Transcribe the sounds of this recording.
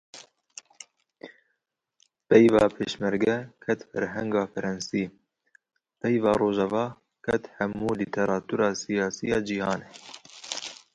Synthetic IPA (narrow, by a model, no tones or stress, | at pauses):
pɛjvɑːpʰeːʃmɛɾɡɛkʰɛt̪fɛ̰ɾɦɛŋɡɑːfɛɾɛnsiː | pɛjvɑːɾoːʒɛvɑː | kʰɛt̪hæmuːlit̪ʰeɾɑːt̪ʰuɾɑːsijɑːsijɑːd͡ʒihɑːneː